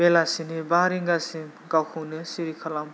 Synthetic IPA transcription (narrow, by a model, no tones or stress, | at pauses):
belasinibaɾiŋɡasim | ɡawkʰɯnɯsiɾikʰalam